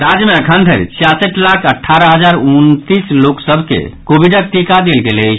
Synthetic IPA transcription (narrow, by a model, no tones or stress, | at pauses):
ɾad͡ʒmeəkʰənd̪ʱəɾt͡ʃʰijasəʈlakʰəʈʰːaɾəɦəd͡ʒaɾunt̪isloksəbʱkḛkobiɖək̚t̪ikad̪elɡelɛt͡ʃʰ